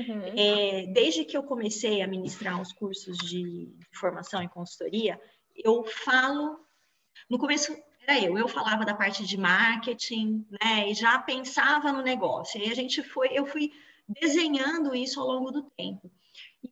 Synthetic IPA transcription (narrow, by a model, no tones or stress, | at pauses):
ɛd̪ejzd͡ʒɪkɪewkõmesejɐmĩnist̪ɾaɾʊskuɾsʊzd͡ʒɪĩfoɾmasɐ̃w̃ɪ̃kõsu̥t̪oɾiɐ | ewfalʊ | nʊkõmesʊ | ɛɾɐewewfalavɐd̪ɐpaɾt͡ʃɪd͡ʒɪmaɾket͡ʃĩnɛɪʒapẽsavɐnʊneɡɔsjʊiɐʒẽnt͡ʃɪfojewfuj | d̪ezẽɲɐ̃nd̪ʊisʊawlõɡʊd̪ʊt̪ẽmpʊ | ɪ